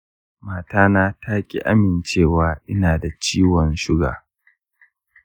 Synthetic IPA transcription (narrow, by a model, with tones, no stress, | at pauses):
maː˨taː˦naː˦tʰaː˦kʲʼḭ˨ʔa˦mɪ˨nt͡ʃeː˦˨waː˨˦ʔɪ˦naː˨da˨t͡ʃiː˦wɔ˨nʃʊ˦ɡa̰ː˨